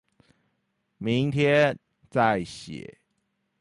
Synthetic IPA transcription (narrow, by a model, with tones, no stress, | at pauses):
mi˨˦ŋt̪ʰjɛ˦n | t͡sa˥˨ɪɕjɛ̰˨˩˦